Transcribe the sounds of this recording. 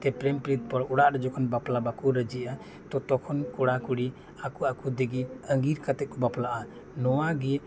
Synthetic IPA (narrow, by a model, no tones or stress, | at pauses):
t̪ɛpɾɛmpɾit̪̚pɔɾɔɽaʔɾɛd͡ʒɔkʰɔnbaplabakuɾəd͡ʒiʔa | t̪ɔt̪ɔkʰɔnkɔɽakuɽi | akuakud̪əɡiəŋɡiɾkat̪ɛt̪̚kɔbaplaʔa | nɔwaɡɛ